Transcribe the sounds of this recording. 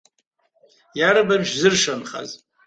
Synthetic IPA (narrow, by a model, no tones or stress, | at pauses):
jaɾɨbanʒzɨrʂanχa̰z